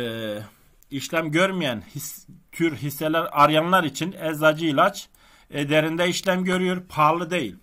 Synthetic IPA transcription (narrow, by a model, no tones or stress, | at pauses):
iʃlʲæmɟøɾmijænhist̪ʰyɾɦisːɛlæɾɑɾjɑnlˠɑɾit͡ʃʰinɛzɑd͡ʒɯilʲˠat͡ʃ | ɛd̪ɛɾind̪ɛiʃlʲæmɟøɾyjoɾpʰɑlˠɯd̪ejilʲ